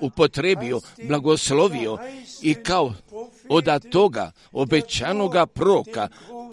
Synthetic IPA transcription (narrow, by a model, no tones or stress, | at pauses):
upo̞t̪ɾeːbioblaɡosloʋioikaood̪at̪o̞ɡa̰ | obet͡ʃanoɡapɾoɾoka